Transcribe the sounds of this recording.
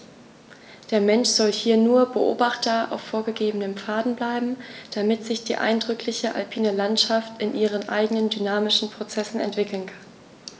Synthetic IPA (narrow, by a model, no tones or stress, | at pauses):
d̥eːɐmɛnʃz̥ɔlhiːɐnuːɐbəʔo̰ːbaχtɐʔa̰ʊfːoːɐɡəɡeːbənəmfaːdn̩blaɪbm̩d̥amɪtz̥ɪçd̥ḭːʔa̰ɪndʁʏkʰlɪçəʔa̰lpʰiːnəlantʃaftɪnʔiːʁ̞ənʔa̰ɪɡənəndynaːmɪʃn̩pʁ̥ot͡sɛsn̩ɛ̰ntv̥ɪkl̩nkʰḁn